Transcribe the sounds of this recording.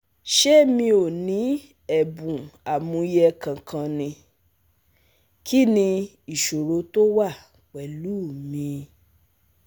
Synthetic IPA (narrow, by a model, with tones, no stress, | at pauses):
ʃɛ˦mĩ˧o˨nĩ˨˦ | ɛ˦˨bũ˨a˨mũ˧jɛ˧kã˨kʰã˧nĩ˧ | kʰi˦nĩ˧ | i˨ʃo˨ɾo˨˧˦to˦wa˦˨ | k͡pɛ˨lu˨˦˨mĩ˧